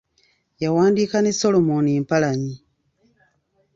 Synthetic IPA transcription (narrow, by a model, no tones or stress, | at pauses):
jawaːndiːkaneso̞lo̞monieːmpalaɲi